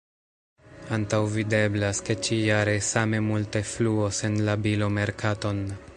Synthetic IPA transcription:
antawvide̞blaske̞t͡ʃijaɾe̞same̞multe̞fluose̞nlabilo̞me̞ɾkʰato̞n

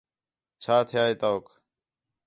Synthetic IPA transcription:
t͡ʃʰaːt̪ʰɪjaːɦeːt̪oːk

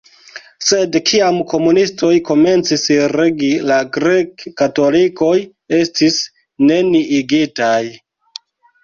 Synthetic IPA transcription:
se̞dkʰiamko̞munisto̞jko̞me̞nt͡sisɾeɡilaɡɾekːato̞liko̞j | e̞stis | ne̞niʔiɡitaj

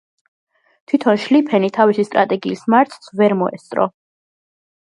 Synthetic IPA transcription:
t̪ʰwit̪ʰɔnʃlipʰɛnit̪ʰavisist̪ʼɾa̰t̪ʼɛɡiːsmaɾt̪ʰsvɛɾmɔɛ̰st̪sʼɾɔ̰

